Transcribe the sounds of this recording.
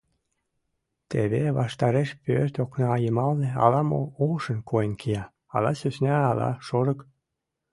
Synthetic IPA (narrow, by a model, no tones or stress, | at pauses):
t̪ḛβeβɑʃt̪ɑɾeʃpørt̪oknɑɑjəmɑlneɑ̰lɑmo̰olʃə̆nkʰoenkiɑ | ɑ̰lɑ̰søsnʲæɑlɑ̰ʃoɾɤ̆k